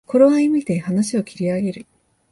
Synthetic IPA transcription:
ko̞ɾoaimʲit̪e̞hanaɕio̞kʲiɾʲiaɡe̞ɾɯ̟

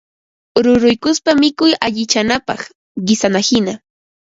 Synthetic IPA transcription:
ɾʊɾʊjkʊspamɪkʊjaʎɪt͡ʃanapɑχ | ɢɪsanahɪna

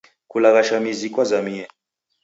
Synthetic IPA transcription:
kulaɣaʃamizikwazamiɛ

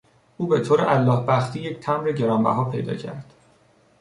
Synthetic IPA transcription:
uːbe̞t̪ʰoːɾeʔælːɒːhbæxt̪ʰiːjecʰt̪ʰæmɾeɟe̞ɾɒmbæ̰ɦɒːpʰe̞̰jd̪ɒ̰ːcʰæ̰ɾd̪̥

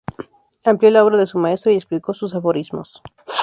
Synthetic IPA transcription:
ampljo̞lao̞βɾaðe̞sumae̞st̪ɾoiekspliko̞sus̬afo̞ɾizmos

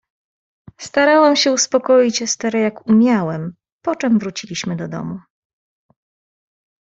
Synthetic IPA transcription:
st̪aɾawɛmɕɛuspɔkɔjit͡ɕɛst̪ɛɾɛjakumʲjawɛm | pɔt͡ʂɛmvɾut͡ɕilʲiɕmɘd̪ɔd̪ɔ̰mu

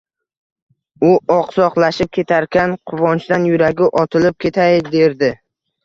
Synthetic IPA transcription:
ʊɒqsɒqlˠaʃɪp̚kʲʰe̞t̪ʰaɾkʲanqʰʊvɒnt͡ʃd̪anjʊɾaɡʲɪʔɒt̪ʰɪlɪp̚kʲʰe̞t̪ʰajd̪eɾd̪ɪ

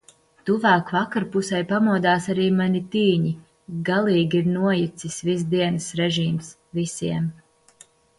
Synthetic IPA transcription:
t̪uvæːkvakaɾpusɛjpamuɔd̪aːsaɾiːmaɲʲit̪iːɲi | ɡalˠiːɡʲiiɾnuɔjit̪sisvis̬d̪iɛnɨsɾɛʒiːms | visiɛm

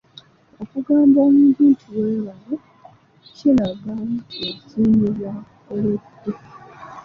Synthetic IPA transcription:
okuɡaːmboːmuːβiːntʰuweːlalo | cilaɡaotiːɲiza | olede

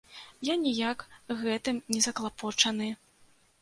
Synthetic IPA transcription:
janʲijakɣɛt̪ɨmnʲɛzɐklˠapɔt͡ʂɐnɨ

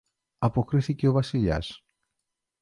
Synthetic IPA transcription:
ɐpo̞kɾiθice̞o̞vɐsiʎɐ̰s

